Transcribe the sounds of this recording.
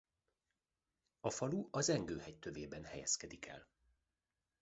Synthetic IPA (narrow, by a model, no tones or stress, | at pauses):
ɒfɒluʔɒzɛŋɡøːhɛct̪øveːbɛnhɛjɛ̰skɛd̪ikʰɛ̰l